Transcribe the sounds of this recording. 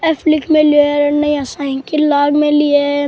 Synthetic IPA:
ɛflɪkmẽlieɾnɐĩasaːĩnkilaːɡmẽlie

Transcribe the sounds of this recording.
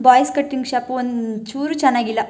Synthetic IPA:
baːjskɐʈːiŋɡʂaːpuont͡ʃuːɾut͡ʃɐnaːɡilːɐ

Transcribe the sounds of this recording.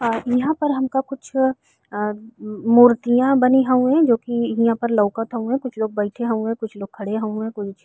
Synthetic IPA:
jɐɦãpɐɾɦɐmkakʊt͡ʃʰ | muːɾt̪ijãbɐniɦɐũɦɛ̃d͡ʒoːkiãpɐɾlɐːkət̪ɦɐ̃ɦũɦɛ̃kʊt͡ʃʰloːɡ̚bɐɪʈʰeɦɐũɦɛ̃ːkʊt͡ʃʰloːɡ̚kʰɐɽeɦɐ̃ũɦɛ̃ːkʊt͡ʃʰ

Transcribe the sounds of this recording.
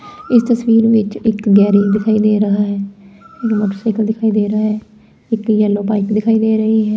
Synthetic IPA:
ɪst̪əsʋiːɾʋɪt͡ʃɪkɡɛːɾĩːd̪ɪkʰaːiːd̪eːɾəɦaːɦɛːɪkmoːʈəsakəld̪ɪkʰaːiːd̪eːɾəaːɦɛː | ɪkjəlːõːpaːɪkd̪ɪkʰaːiːd̪eːɾəɦiːɦɛː

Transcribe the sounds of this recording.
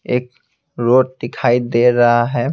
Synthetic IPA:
eːk | ɾoːʈ̚ʈɪkʰaːid̪eːɾɐɦaɦɛː

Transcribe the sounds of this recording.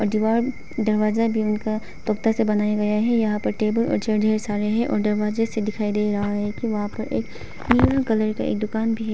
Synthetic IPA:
ɔːɾɖɪʋaːɾ | d̪ɐɾʋaːzabʱiʊnka | t̪ɔːkt̪asebɐnaːjaɡɐjaɦɛjɐɦãpɐɾʈeːbəlɔ̰ːɾt͡ʃeːɾɖʱeːɾsaːɾeɦɛ̃ʔɔ̰ːɾd̪ɐɾʋaːzesed̪ɪkʰaːid̪eːɾɐɦaɦɛkiʋɐɦãpɐɾʔḛːk | niːɾakɐləɾka̰ḛːk̚d̪ʊkaːnbʱiɦɛ

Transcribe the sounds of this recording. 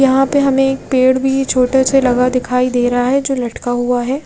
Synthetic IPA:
jɐɦãpeɦɐmẽeːk̚peːɽbʱit͡ʃʰoːʈeselɐɡad̪ɪkʰaːid̪eːɾɐɦaɦɛd͡ʒoːlɐʈkaɦuaɦɛː

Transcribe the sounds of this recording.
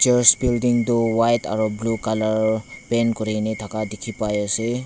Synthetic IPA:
t͡ʃeɹsbildiŋdowajta̰ɾublukalɔɹpenkɔɾinet̪ʰakadekʰipajɔse

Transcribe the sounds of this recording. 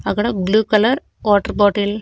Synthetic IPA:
ɐɡɐɽɐbluːkɐlɐɾ | oːʈɐɾboːʈil

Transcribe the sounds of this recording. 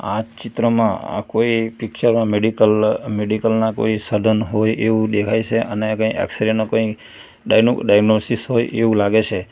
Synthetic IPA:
a̰t͡ʃit̪ɾəmãa̰koipikt͡ʃəɾmãmeɖikəlmeɖikəlnako̰isəd̪ʱənɦojʔeʋũd̪ekʰajt͡ʃʰeʔənekə̃iɛ̰ksiɾenokə̃i | ɖajɡnosisɦojʔeʋũlaɡet͡ʃʰe

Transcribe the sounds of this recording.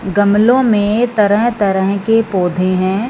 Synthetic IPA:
ɡɐmlõmẽt̪ɐɾəɦt̪ɐɾəɦkepoːd̪ʱẽɦɛ̃ː

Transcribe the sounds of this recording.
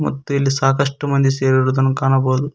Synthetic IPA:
mɐ̰t̪ːuilːisaːkɐʂʈɐmɐnd̪iseːɾuɾud̪ɐnkaːnɐboːd̪u

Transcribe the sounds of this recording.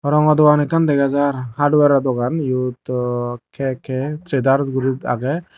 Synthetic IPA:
ɔɾɔŋɔd̪ɔwanɛkand̪ɛɡazaɾhaɾɖwɛɾad̪ɔɡanjut̪kʰɛkʰɛt̪ɾed̪aɾsɡuɾut̪a̰ɡɛ

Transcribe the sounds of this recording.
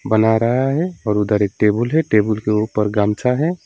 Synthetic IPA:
bənaɾəɦaɦɛɔːɾʊd̪əɾek̚ʈeːbəlɦɛʈeːbəlkeupəɾɡaːmt͡ʃaɦɛ

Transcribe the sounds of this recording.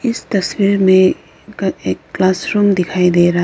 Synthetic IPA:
ist̪ɐswiɾme | ekːlasɾumd̪ikʰajd̪eɾa

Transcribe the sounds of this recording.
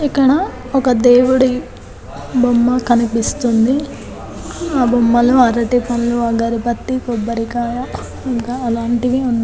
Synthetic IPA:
ikːɐɽɐ | ɔkɐd̪eːʋuɽi | bʱomːɐkɐnipist̪und̪i | aːbomːɐluɐɾɐʈipɐnuluaɡaːɾipɐt̪ːikɔbːɐɾikaːʋɐ | iŋkaɐlaːɳʈiʋiund̪i

